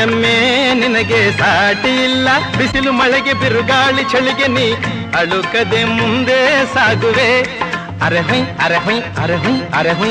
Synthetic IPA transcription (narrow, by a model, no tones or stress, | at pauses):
ɐmːeninɐɡesaːʈijilːɐbisilumɐɭɛɡebiɾuɡaːɭit͡ʃʰɐɭiɡeni | ɐɭukɐd̪emund̪esaːɡuʋe | ɐɾeɦũjɐɾeɦũjɐɾeɦũɐɾeɦu